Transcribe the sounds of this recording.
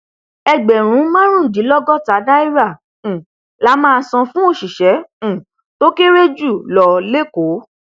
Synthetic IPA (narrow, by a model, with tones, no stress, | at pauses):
ɛ˧ɡ͡bɛ˨ɾ̃ũ˨˦mã˦ɾ̃ũ˦˨di˨˦lɔ˦ɡɔ˦ta˨˦da˦i˦ɾã˦˨ | la˦mãː˦˧sɔ̃˧fũ˦o˦˨ʃi˨ʃɛ̃˨˦˨ | to˦ke˦ɾe˦d͡ʒu˦˨lɔ˨le˦ko˨˦